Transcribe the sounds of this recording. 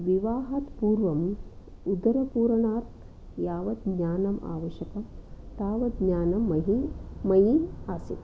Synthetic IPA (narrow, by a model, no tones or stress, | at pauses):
ʋiʋaːɦaːt̪puːɾʋɐm | ud̪ɐɾɐpuːɾɐɳaːt̪ | jaːʋɐd̪̚ɲaːnɐma̰ːʋɐʃjɐkɐmt̪aːʋɐd̪̚ɲaːnɐmːɐɦimɐjiaːsit̪